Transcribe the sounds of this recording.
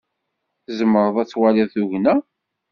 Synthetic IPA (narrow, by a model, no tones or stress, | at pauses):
θzəmːəɾˤəðˤæt͡sːwalɪðˤθuʝnæ